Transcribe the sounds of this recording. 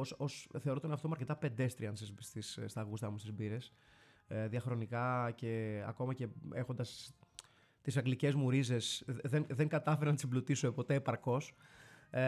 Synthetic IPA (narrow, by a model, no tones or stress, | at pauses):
ososθeoɾo̞t̪oneɐft̪omɐɾce̞t̪ɐpe̞nd̪e̞st̪ɾiɐnsizst̪isst̪ɐɣust̪ɐmust̪izbiɾes | ðiɐxɾo̞nikɐce̞ɐ̰ko̞mɐce̞exo̞nd̪ɐs | t̪isɐŋɡlice̞zmuɾize̞sðenðeŋɡɐt̪ɐfeɾenɐt̪smblut̪isoepo̞t̪e̞ːpɐɾko̞s